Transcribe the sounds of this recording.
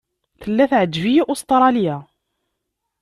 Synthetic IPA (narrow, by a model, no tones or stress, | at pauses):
θəlːæθʕəd͡ʒːvijiʔost̪ˤɾˤɑlijæ